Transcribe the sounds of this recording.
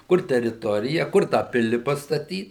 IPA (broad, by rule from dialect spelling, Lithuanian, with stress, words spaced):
ˈkʊr tʲɛrʲɪˈtoːrʲɪjɛ ˈkʊr tɑː ˈpʲɪlʲɪ pɐstɐˈtʲiːt